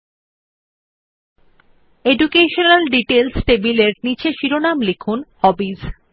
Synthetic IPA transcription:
eɖukeʃonalɖiʈelsʈebileɾnit͡ɕeʃiɾonamlekʰunhɔbiz

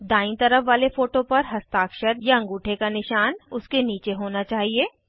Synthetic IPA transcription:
d̪aːɪ̃nt̪ɐɾəfʋaːlefoːʈõpɐɾɦɐst̪aːkʃəɾjaɐ̃ŋɡuːʈʰekanɪʃaːnʊskeniːt͡ʃeɦoːnat͡ʃaːɦieː

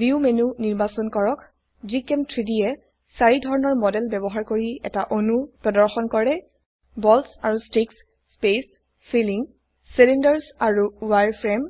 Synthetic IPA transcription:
biumenuniɹbasɔnkɔɹɔk | zikɛmtʰɹidiɛ | saɹidʱɔɹɔnɔɹmɔdɛlbɛbɔɦaɹkoɹiɛ̰taʔonupɹɔdɔɹxɔnkɔɹɛ | bɔlsaɹustɹiksː | pes | filiŋ | silindɛɹsaɹuwaɹpʰɹɛm

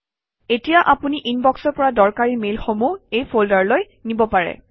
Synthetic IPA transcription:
etijaʔapuniʔinbɔksɔɹpɔɹadɔɹkaɹimelxomuejpʰoldaɹloj | nibɔpaɹɛ̰

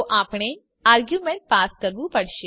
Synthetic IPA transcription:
ʔaːpɽ̃e | aːɾɡjumẽɳʈ̚paːskɐɾʋupɐɽʃe

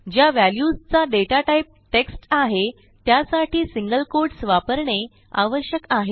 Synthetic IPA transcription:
d͡ʑjaʋæljust͡saɖeʈaʈaip̚ʈeksʈaɦe | t̪jasaʈiːsiŋɡəlkoɾɽsʋapəɾɳe | aʋəɾɕjəkaɦe

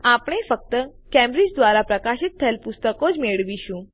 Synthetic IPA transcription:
apɳ̃efək̚t̪ə | kɛ̃mbɾid͡ʒd̪ʋaɾapɾəkaʃit̪ʰːəelpʊst̪əkod͡ʒmeɭʋiʃũ

